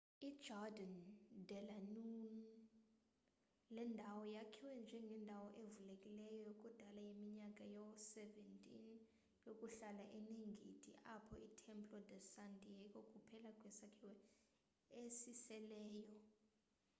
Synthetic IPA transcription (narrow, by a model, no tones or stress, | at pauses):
id̥d͡ʒɔdandʱɛlanun | lɛndʱawɔjakʰiwɛnd͡ʒʱɛŋɡʱɛndʱawɔʔevulekʼilɛjɔjokʼud̥ʱalajemiɲakʼajɔsɛvɛntʼin | jokʼuɬalaʔeneŋɡʱitʼḭʔapʰɔitʰɛmpʰʼlɔd̪ɛsandʱʼiɛkʼokʼupʰɛlakʼwɛsakʰiwɛ | esisɛlɛːjɔ